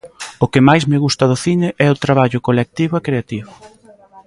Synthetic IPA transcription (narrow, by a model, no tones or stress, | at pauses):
ʊkɪmajzmɪɣust̪ɐðʊθinɪʔɛʊt̪ɾaβaʎʊkolek̚t̪iβʊɛkɾeat̪iβʊ